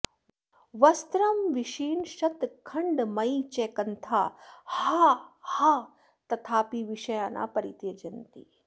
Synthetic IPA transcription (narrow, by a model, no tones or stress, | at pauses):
ʋɐst̪ɾɐmʋiʃiːnʃɐt̪kʰɐɳɖmɐit͡ʃeːkɐnt̪ʰaːhahaː | t̪ɐt̪ʰaːpiʋiʃɐjaːna̰ːpɐɾit̪jɐd͡ʒɐnt̪i